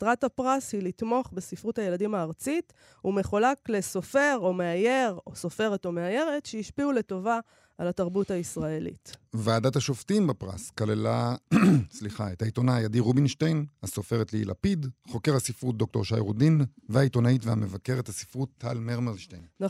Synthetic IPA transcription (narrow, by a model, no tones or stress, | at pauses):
tʁatapʁashilitmo̞χbesifʁuthaje̞ladimaːʁt͡sit | ume̞χulakle̞so̞fe̞ʁo̞meaje̞ʁo̞so̞feʁeto̞meaje̞ʁetʃeiʃpiule̞to̞va | alataʁbuthaisʁae̞lḭtveaːdathaʃoftimbapʁa̰skalela | sliχaethaitonaːjadiʁubinʃtejnhaso̞feʁetleḭla̰pidχo̞ke̞ʁhasifʁut̚dok̚to̞ʁʃa̰jʁṵdinveait̪o̞naitvehamevake̞ʁethasi̥fʁut̪ʰːalmeʁmalʃtejnna